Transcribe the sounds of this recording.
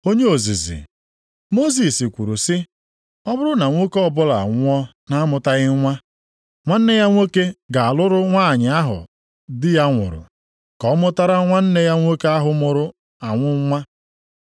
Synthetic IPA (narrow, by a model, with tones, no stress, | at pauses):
o˦ɲe˦o˨zḭ˨zḭ˨ | mo˦s̬i˨si˨kʷu˨ɾu˨sɪ˦ | ɔ˦bʊ˦ɾʊ˦na˨ŋʷo˦kɔ˦bʊ˦la̰˨ŋʷ˦ɔ˦ | na˦mʊ˨ta˦ɣɪ˦ŋʷa˦ | ŋʷa˦n̩˦ne˦ja˦ŋʷe˦ke˦ɡa˨a˨lʊ˦ɾʊ˦ŋʷa˦˨ɲɪ˨a˦ɦʊ̰˨ | dɪ˦ja˦ŋʷʊ̰˨ɾʊ̰˨ | kɔ˨˦mʊ˦ta˦ɾa˦ŋʷa˦n̩˦ne˦ja˦ŋʷo˦ke˦a˦ɦʊ˨mʊ˨ɾʊ˦ | a˨ŋʷʊ˦ŋ˦ŋʷa˦